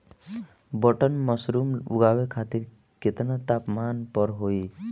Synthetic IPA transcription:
bɔʈənmɔsɾumṵɡabekʰat̪iɾ | ket̪nat̪apmanpɔɾɦoi

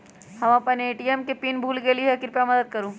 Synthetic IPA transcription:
hɐmɐpɐneːʈiɛmkepiːnbʱuːlɡeliɦɛkɪɾpjamɐd̪əd̪̚kɐɾũː

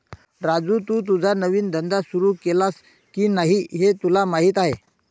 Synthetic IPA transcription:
ɾad͡zuːt̪uːt̪̬ud͡zʱanəʋiːnd̪ənd̪asuɾuːkelas | kiːnaɦiɦet̪ulamaɦiːt̪aɦe

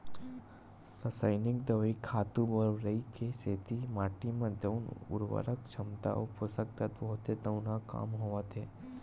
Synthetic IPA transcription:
ɾəsaːjnɪkd̪əʋikʰaːt̪ubəɾʋɾəikeseːt̪imaːʈimẽd̪əʊnʊ̰ɾʋə̰ɾəkt͡ʃʰɐmt̪a̰ʔopʊsək̚t̪ət̪bɐɦʊt̪ed̪əʊnaka̰ːmɦoʋət̪ɦeː

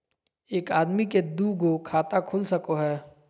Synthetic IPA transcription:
eːkaːd̪miked̪uːɡokʰaːt̪akʰʊlsɐkoɦɛː

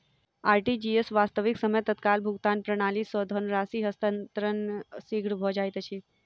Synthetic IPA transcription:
aːɾʈid͡ʒiesʋast̪əʋiksəməjt̪ət̪kalbʱuɡt̪anpɾəɽ̃alisɔd̪ʱɔnɾasiːɦəst̪ənt̪ɾənsiɡɽbʱɔd͡ʒajt̪ət͡ʃʰi

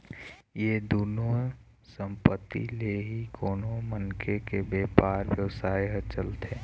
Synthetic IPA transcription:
jed̪uːno | sə̃mpət̪ːḭleɦikoːnomənkʰekebeːpaːɾbjəʋəsaːjɦət͡ʃəlt̪eː

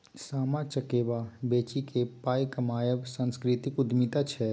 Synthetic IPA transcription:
saːmat͡ʃəkeːbabeːt͡ʃikʰepaːjkəmaːjəbsə̃nskɾɪt̪ikʊd̪mit̪at͡ʃʰɛ

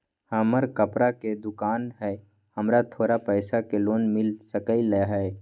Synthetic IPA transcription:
həməɾkəpɾaked̪ʊkaːnɦɛː | həmɾat̪ʰoːɾapəɪsakeloːnmɪlsəkəilɛɦɛː

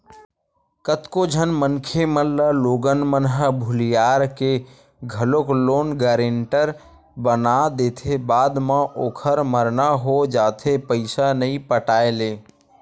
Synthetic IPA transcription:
kət̪kod͡ʒʱənmənkʰemələloɡənmənɦəbʱʊlijaɾke | ɡʱəlokloːnɡəɾeɳʈəɾ | bənad̪et̪ʰebaːd̪mə̃ʔoːkʰəɾməɾnaɦod͡ʒaːt̪ʰepəɪsanəĩpəʈaːeleː

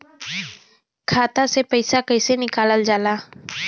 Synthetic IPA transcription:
kʰaːt̪asepəɪsakɐɪsenɪkaːləld͡ʒaːlaː

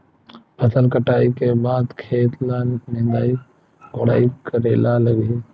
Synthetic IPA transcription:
pʰəsəlkəʈaːikeːbaːd̪kʰeːt̪laːnẽːnd̪aːi | koːɽa̰ːikəɾeːlaːləɡeː

